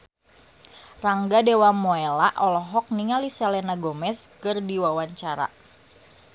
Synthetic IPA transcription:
raŋɡadewamoelaʔɔlɔɦɔk̚niŋaliselenaɡomɛskɨrdiwawaɲt͡ʃaɾa̰

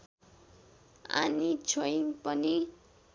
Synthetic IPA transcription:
a̰nit͡sʰoiŋpʌni

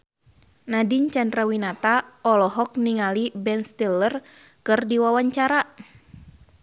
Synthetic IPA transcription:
nadiɲt͡ʃandɾawinat̪aɔlɔɦɔk̚niŋalibɛnst̪ilər | kɨrdiwawaɲt͡ʃaɾa

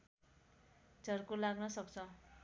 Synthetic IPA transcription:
d͡zʱʌrkolaɡnʌsʌkt͡sʰʌ

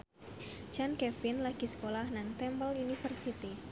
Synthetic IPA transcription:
d͡ʒankɛfɪnlaɡ̥i̤sə̥kolahnaŋt̪ɛmpəlunifərsit̪i

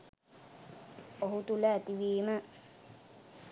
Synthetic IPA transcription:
oɦut̪ulɛːt̪iʋiːmə

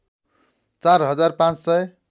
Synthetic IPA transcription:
t͡sarɦʌd͡zarpãt͡ssʌj

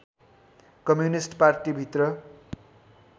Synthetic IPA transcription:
kʌmjunisʈparʈibʱit̪rʌ

